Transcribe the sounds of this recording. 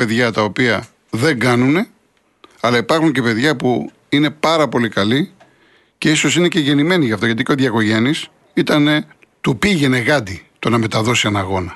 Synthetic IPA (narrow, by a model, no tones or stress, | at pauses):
pe̞ðʝɐt̪ɐo̞piɐ | ðe̞ŋɡɐnune̞ | ɐlɐipɐɾxuɲce̞pe̞ðʝɐpu | ine̞pɐɾɐpo̞likɐli | ce̞iso̞sine̞ceʝe̞nime̞niʝɐft̪o̞ʝɐt̪iceoðʝɐko̞ʝe̞nis | it̪ɐne̞ | t̪upiʝe̞ne̞ɣɐd̪it̪o̞nɐme̞t̪ɐðo̞siɐnɐɣo̞nɐ